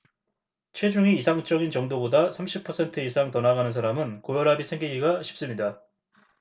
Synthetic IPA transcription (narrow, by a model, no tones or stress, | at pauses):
t͡ɕʰwe̞d͡ʑuŋiːsʰaŋt͡ɕ͈ʌɡint͡ɕʌŋdobodasʰamɕʰipʰʌsʰe̞ntʰɯisʰaŋtʌnaɡanɯns̬ʰaɾamɯnkojʌɾɦabisʰeŋɡiɡiɡaɕʰi̥p̚s͈ɯmɲida